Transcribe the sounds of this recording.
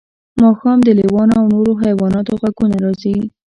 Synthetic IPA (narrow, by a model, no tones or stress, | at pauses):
mɑxɑmd̪əlewɑnoawnoɾoɦajwɑnɑt̪oɣaɡunaɾɑsawi